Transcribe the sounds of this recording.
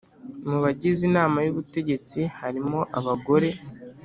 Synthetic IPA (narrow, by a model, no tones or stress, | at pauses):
muβaɟizinaːmajuβute̞ɟe̞t͡sihaɾimo̞ʔaβaɡo̞ɾe̞